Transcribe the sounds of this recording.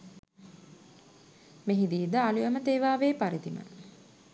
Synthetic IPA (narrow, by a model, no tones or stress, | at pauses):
meɦid̪iːd̪əalujəmət̪eːʋaːʋeːpaɾid̪imə̰